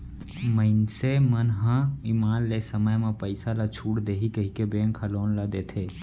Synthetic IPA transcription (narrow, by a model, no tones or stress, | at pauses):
məɪnsemənɦãimaːnlesəməjmẽpəɪsalat͡ʃʰuːʈd̪eːɦikəɦikebẽːŋkʰəloːnlad̪eːt̪ʰeː